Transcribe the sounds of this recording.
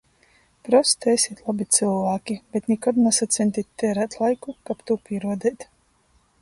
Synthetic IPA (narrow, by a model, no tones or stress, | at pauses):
pɾɔst̪esʲiɛt̪lˠabit̪sɨlˠvaːkʲibet̪nʲikɔd̪nasat̪t̪sʲɛnʲt̪ʲit̪ʲt̪ːɛɾat̪lˠajkukapt̪upʲiɛɾuɔd̪ɛːt̪